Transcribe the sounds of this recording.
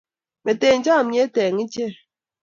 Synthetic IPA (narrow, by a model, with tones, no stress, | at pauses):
me˨te˨n̩˦d͡ʒa˦˨mje˦tɛː˨ŋi˦t͡ʃe˦˨